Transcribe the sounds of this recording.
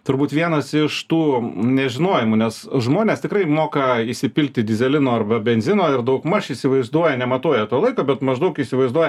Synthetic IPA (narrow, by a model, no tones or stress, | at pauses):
t̪ʊɾbuːt̪ʋʲiɛnɐsɪʃt̪uːnʲɛʒʲɪnoːjɪmunʲɛsʒmoːnʲeːst̪ʲɪkrɐɪmoːkɐisʲɪpʲɪlʲk̚t̪ʲɪd̪ʲɪzʲɛlʲɪnoːɐrbɐbʲɛnʲzʲɪnoːɪrd̪ɐʊkmɐʃisʲɪʋɐɪzd̪uɔjɛnʲɛmɐt̪oːjɛt̪oːlˠɐɪkoːbʲɛt̪mɐʒd̪ɐʊkiːsʲɪʋɐɪzd̪uɔjɛ